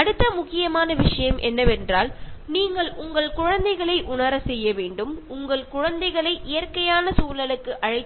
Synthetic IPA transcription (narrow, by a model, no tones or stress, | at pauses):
ɐɽɯt̪ːɐmʊkːɪjɐmaːnɐʋɪʂɐjɐmʔɛ̰nːɐʋɛndraːlniːŋɡɐɭʔʊŋɡɐɭkʊɻɐnd̪ɐɪɣɐɭɐɪʔʊnɐɾɐsɛjːɐʋeːɳɖɯmʊŋɡɐɭkʊɻɐnd̪ɐɪɣɐɭɐɪʔɪjɐrkɐjaːnɐsuːlɐlɯkːɯʔɐɻɐɪt̪ː